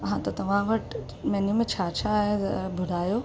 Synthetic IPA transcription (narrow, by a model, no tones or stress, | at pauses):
ɐɦãt̪ɐt̪ɐʋ̤ãʋɐʈ | mẽnimẽt͡ɕʰaːt͡ɕʰãbʱʊɽaːjoː